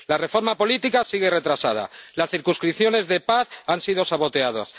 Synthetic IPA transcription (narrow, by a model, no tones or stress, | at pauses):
lare̞fo̞ɾmapo̞lit̪ikasiɣe̞re̞t̪ɾasað̞a̰lasθiɾkunskɾipθjo̞ne̞zðe̞paθansið̞o̞saβ̞o̞t̪e̞aða̰s